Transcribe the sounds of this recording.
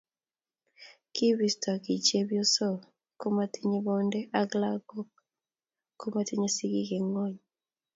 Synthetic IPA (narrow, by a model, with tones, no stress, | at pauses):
ki˦bi˨sta˨ki˨t͡ʃe˦bjo˦sɔ˦˨ | ko˦ma˦ti˦ɲi˦bɔ˦ndɛ˦ʔa˦ɡla˦ɡo˦ | ko˦ma˦ti˦ɲe˦si˦ɡi˦ke˨ŋɔ˦ɲ